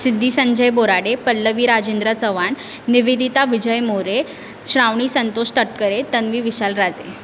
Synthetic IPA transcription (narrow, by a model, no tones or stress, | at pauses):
sid̪ʱːiːsəɲd͡ʑəjboɾaɽepəlːəʋiːɾad͡ʑend̪ɾat͡səʋaɳː | iʋid̪ʱit̪aʋid͡ʑəjmoɾe | ɕɾaʋɳ̃iːsənt̪oɕt̪əʈkəɾet̪ənʋiːʋiɕalɾad͡zḛ